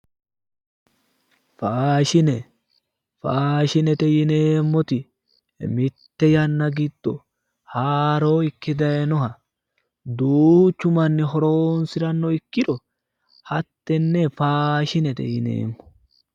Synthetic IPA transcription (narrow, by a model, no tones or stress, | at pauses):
faːʃɪnɛ | faːʃɪnɛt̪ɛjɪneːmːɔt̪ɪ | mɪt̪ːɛjɐnːɐɡɪd̪̥ːɔ̰ | haːɾoːɪkːɪd̪ɐjɛnɔɦɐ | d̪uːt͡ʃːʊmɐnːɪɦɔɾoːnsɪɾɐnːɔɪkːɪᶑɔ | hɐt̪ːɛnːɛfaːʃɪnɛt̪ɛ̰jɪnḛːmːɔ̥